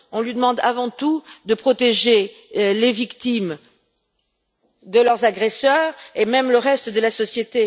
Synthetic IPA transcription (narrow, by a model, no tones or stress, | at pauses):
ɔ̃lɥid̪əmɑ̃d̪avɑ̃t̪ud̪əpχɔt̪eʒe | levikt̪im | d̪əlœʁzaɡʁɛsœʁemɛmləʁɛst̪d̪əlasɔsjet̪e